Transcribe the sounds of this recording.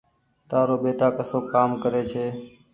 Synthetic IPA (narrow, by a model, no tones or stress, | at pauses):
t̪aːɾoːɓeːt̪aːkəsoːkaːmkəɾeːt͡ʃʰeː